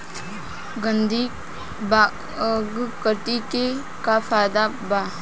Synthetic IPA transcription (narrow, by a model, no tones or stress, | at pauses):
ɡənd̪ʱi | ba | ɡkət̪ike | kafaːd̪a | ba